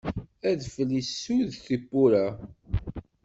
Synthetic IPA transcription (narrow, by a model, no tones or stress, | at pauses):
æðfəlːisːuðθipːuɾa